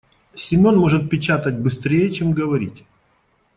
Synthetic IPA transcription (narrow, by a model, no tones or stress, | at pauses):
sʲɪmʲo̞nmo̞ʐɨt̪̚pʲɪt͡ɕat̪ətʲbɨst̪ɾʲejət͡ɕemɡəvɐɾʲḭtʲ